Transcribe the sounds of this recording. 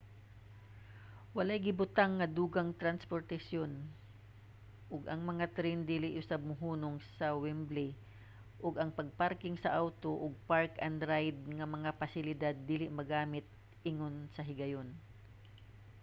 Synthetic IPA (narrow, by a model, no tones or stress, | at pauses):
wɐlajɡɪbʊt̪aŋːɐd̪uːɡɐŋt̪ɾanspoɾt̪ɐsjon | ʔʊɡɐŋmɐŋat̪ɾɛnd̪iːlɪʔʊsab̚mʊɦuːnoŋsɐwɛmbli | ʔʊɡɐŋpɐɡ̚paɾkɪŋsɐʔawt̪oʔʊɡ̚paɹkɐnd̪ɾajd̪̚ŋɐmɐŋafasɪlɪd̪ad̪̚ːiːlɪʔmɐɡaːmɪt̪̚ | ʔɪŋonsɐɦɪɡɐjon